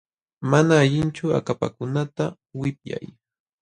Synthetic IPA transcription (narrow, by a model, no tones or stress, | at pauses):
manaːʎɪnt͡ʃʊa̰kapa̰kʊnat̪a | wɪpja̰j